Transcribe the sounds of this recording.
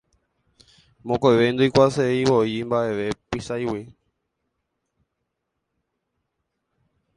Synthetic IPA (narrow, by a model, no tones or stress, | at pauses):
mõkojʋend̪ojkʷaseiʋoimbaʔe̞ʋe̞pisajwi